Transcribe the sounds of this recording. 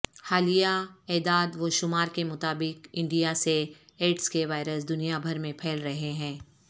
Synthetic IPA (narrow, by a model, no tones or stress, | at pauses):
haːlijaɛːd̪aːd̪ʋoʃʊmaːɾkemʊt̪aːbɪkɪ̃ɳɖijaseeːʈskeʋaːɪɾəsd̪ʊnijabʱɐɾmẽpʰɛːlɾɐɦeɦɛ̃ː